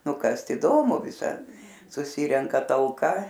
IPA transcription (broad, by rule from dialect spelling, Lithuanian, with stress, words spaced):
nʊ ˈkɐst iːˈdoːmʊ ʋʲɪˈsɐt sʊˈsʲiːrʲɛŋkɐ tɐlˠˈkɐ